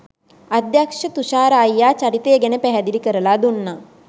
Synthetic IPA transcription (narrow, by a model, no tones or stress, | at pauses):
ɐd̪jakʂɐt̪uʃaːɾɐːjːaːt͡ʃɐɾit̪eːɡenepɛɦɐd̪ilikɐɾɐlaːd̪unːa